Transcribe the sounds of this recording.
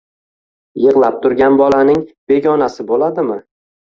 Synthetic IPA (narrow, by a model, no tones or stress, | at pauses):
jɨʁlˠap̚t̪ʰʊɾɡʲanbɒlanɪŋbe̞ɡʲɒnasɪbolad̪ɪmɪ